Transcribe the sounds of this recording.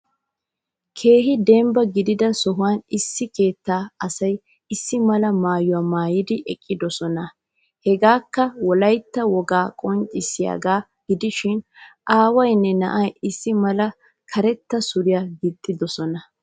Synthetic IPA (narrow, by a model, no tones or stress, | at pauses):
kʰe̞ːɦɪd̪ɛmbɐɡɪd̪ɪd̪ɐsɔɦʊwanɪsːɪke̞ːt̪ːaːɐsɐj | ɪsːɪmɐlɐmaːjʊwaːmaːjɪd̪ɪʔɛkʼːɪd̪ɔsɔnɐ | hɛɡaːkːɐwɔlɐjt̪ːɐwɔɡaːkʼɔnt͡ʃʼɪsɪja̰ːɡaː | ɡ̥ɪd̪ɪʃɪnʔaːwɐjnːɛnɐ̰ʔɐjɪsːɪmɐlɐ | kʰɐɾɛt̪ːɐsʊɾɪjaɡɪt̪ʼːɪd̪ɔsɔnɐ